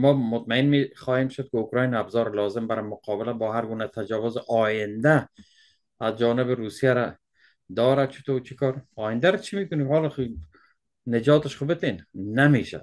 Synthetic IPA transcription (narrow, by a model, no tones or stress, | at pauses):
mɔːmʊt̪maɪnmeχɒːhemʃʊd̪̚kɪʊkɾɑjnabzɒːɾɪlɒːzɪmbaɾɪmʊqʰɒːbɪlabɒːɦaɾɡuːnat̪ʰad͡ʒɔːvʊzɪʔɒːjɪnd̪aː | zd͡ʒɒːnɪbɪɾuːsijaɾa | d̪ɒːɾad̪̚t͡ʃʰɪ̥t̪ʰot͡ʃʰikʰɒːɾɒːjɪnd̪aɾat͡ʃʰimekʊnikhɒlχ | ned͡ʒɒːt̪ɪʃχʊbɪt̪enːameːʃa̰d̪